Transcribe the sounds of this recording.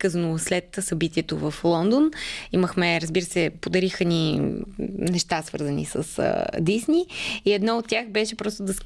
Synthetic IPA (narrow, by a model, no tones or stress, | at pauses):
kəznoslɛt̪sɐbit̪iɛt̪ovəflˠɔnd̪oniməxmɛɾəzbiɾəsɛpod̪ɐɾixəni | nɛʃt̪asvɤ̰ɾzənḭsə̰sd̪isniiɛd̪nɔot̪ːʲjaxbɛʃɛpɾɔst̪od̪ɐs